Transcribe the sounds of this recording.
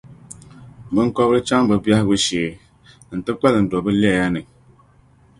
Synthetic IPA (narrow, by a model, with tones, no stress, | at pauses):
bɨ˦ŋ˦kɔ˦bɾɨ˦t͡ʃa˦ŋbɨ˨ba˦hbɨ˦ʃeː˨ | n̩˨tɨ˦k͡pɛ˦lɨ˨n̩˨dɔ˨bɨ˦lja˦nɨ˨ŋ